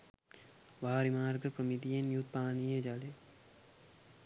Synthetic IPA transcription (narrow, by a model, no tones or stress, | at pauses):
ʋaːɾimaːɾɡəɾpɾəmid̪ijenjut̪̚paːniːed͡ʒale